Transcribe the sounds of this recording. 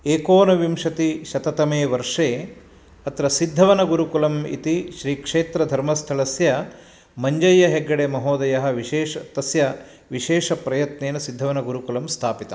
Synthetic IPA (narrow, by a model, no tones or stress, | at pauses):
eːkoːnɐʋimʂɐt̪iʃɐt̪ɐt̪ɐmeːʋɐɾʂeː | ɐt̪ɾɐsid̪ʱːɐʋɐnɐɡuɾukulɐmḭt̪iʃɾiːkʂeːt̪ɾɐd̪ʱɐɾmɐst̪ʰɐlɐsjɐ | mɐɲd͡ʒɐjːɐɦeɡːɐɽeːmɐɦoːd̪ɐjɐɦɐ̆ʋiʃeːʂɐt̪ɐsjɐ | ʋiʃeːʂɐpɾɐjɐt̪neːnɐsid̪ʱːɐʋɐnɐɡuɾukulɐmst̪ʰaːpit̪ɐ